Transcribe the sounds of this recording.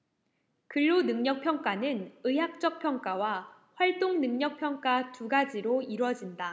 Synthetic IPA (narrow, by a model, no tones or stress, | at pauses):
kɯɭːonɯŋɲʌk̚pʰjʌŋk͈anɯnɯɦak̚t͡ɕ͈ʌk̚pʰjʌŋk͈awa | ɸwaɭt͈oŋnɯŋɲʌk̚pʰjʌŋk͈atuɡad͡ʑiɾoiɾwʌd͡ʑinda